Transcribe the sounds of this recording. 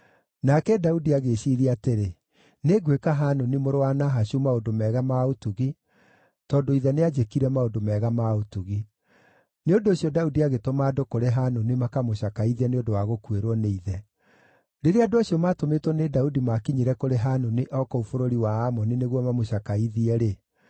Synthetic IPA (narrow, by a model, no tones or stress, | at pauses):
nakɛdaudiaɣeɕiɾiateɾe | neɡwekaɦanonimoɾoanaɦaɕumaodomɛːɣamaotuɣi | tɔdoiðɛnead͡ʒekiɾɛmaodomɛːɣamaotuɣi | neondoːɕjɔdaudiaɣetomaːdokoɾeɦanonimakamoɕakaiðiɛneodowaɣokweɾwɔneiðɛ | ɾeɾeadoaɕjɔmatometwɔnedaudimakiɲiɾɛkoɾeɦanoniʔɔkɔufoɾoɾiwaamɔnineɣwɔmamoɕakaiðiɛɾe